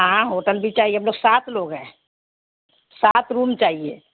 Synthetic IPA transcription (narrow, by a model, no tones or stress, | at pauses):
ɦãɦoʈəlbʱit͡ʃaːɦieəmloɡsat̪ʰloːɡɦɛ̃ | sat̪ɾumt͡ʃaːɦie